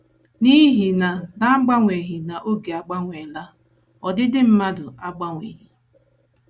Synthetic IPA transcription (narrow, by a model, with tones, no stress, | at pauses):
ni˦ɦi˨na˨na˦ɡ͡ba˦ŋʷe˨ɦi˨na˨ʔo˦ɡe˨a˨ɡ͡ba˦ŋʷe˨la˦ | ɔ˨dɪ˦dɪ˦m̩˦ma˦dʊ˨a˦ɡ͡ba˦ŋʷḛ˨ɦi˨